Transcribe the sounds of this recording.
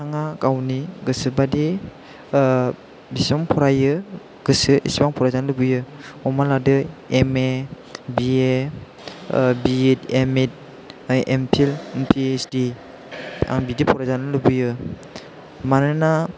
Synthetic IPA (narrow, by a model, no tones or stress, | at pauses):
tʰaŋakawniɡɯsɯbadi | bisɔmpʰɔɾajɯ | ɡ̥ɯsɯesibaŋpʰɔɾazanlɯbɯjɯɔmaladɯeme | bie | bitemet̚ | ʔempʰilmpʰiesdi | a̰ŋbidipʰɔɾazanɯlɯbɯjɯ | manɯna